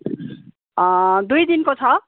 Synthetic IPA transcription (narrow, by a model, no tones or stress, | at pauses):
d̪ujd̪inkot͡sʰʌ